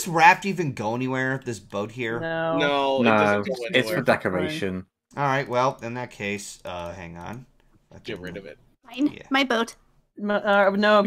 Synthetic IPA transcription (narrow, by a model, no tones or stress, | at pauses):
sɹæf̚tivɨ̃nɡoʊɛniwɛɹðɪsb̥oʊt̚ɦiɹnononoʊɨtsfə˞dɛkə˞eɪʃɨ̃n | ʔɔlˠɹaɪʔ̚wɛlˠɨ̃nðɨt̚kʰeɪsʌhæ̰̃ŋə̰̃n̰ | ɡ̥ɛɹɪɾʌvɪ̰t̚ | ãɪ̃næ̰maɪboʊt | mʌnoʊ